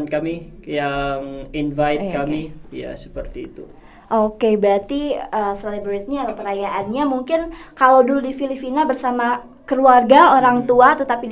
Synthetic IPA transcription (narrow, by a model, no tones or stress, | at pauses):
nkamijaŋinvaɪt̪̚kamija̰sə̥pərt̪iːt̪u | ʔokebɾat̪iəselebɾɛt̪̚ɲalapəɾajaʔanɲamuŋkɪnkalawduludifilipinabərsama | kəluarɡaoɾaŋt̪uat̪ət̪api